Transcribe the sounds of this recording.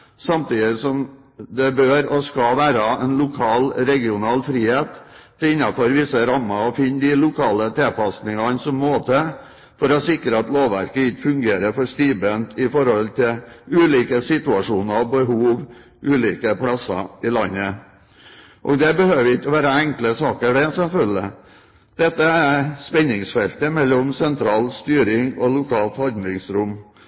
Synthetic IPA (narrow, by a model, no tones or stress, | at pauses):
sɑmt̪iːd̪ɪsɔm | d̪ɛbøːɾɔskɑʋæːɾɑɛnlʊkʰɑːlɾɛɡɪʊnɑːlfɾiːheːt̪d̪ɛɪnːɑfɔɾʋɪsəɾɑmːɑɔfɪnːd̪ɪlʊkʰɑːlət̪ʰeːpɑsnɪŋɑnsɔmːoːt̪ə | fɔɾɔsɪkɾəɑt̪loːʋʋæ̰ɾkəɪkːfʉŋɡeːɾəfɔʂt̪iːbənt̪ʰɪfɔɾhɔlt̪ʰɪlʉːliːkəsɪt̪ʉɑʂuːnəɾɔbəɦuːʋ | ʔʉːliːkəpʰɽɑsɑ̰ɪlɑnːə | ʔɔ̰ɡd̪ɛbəhøːʋɪkːɔʋæːɾəɛŋkləsɑːkəɖɛsɛlfœlɪ̰ | d̪̥ɛt̪ːəæspɛnːɪŋsfɛlt̪əmɛlːɔmsɛnt̪ʰɾɑːlst̪yːɾɪŋɔlʊkʰɑːlt̪hɑnd̪lɪŋsɾʊmː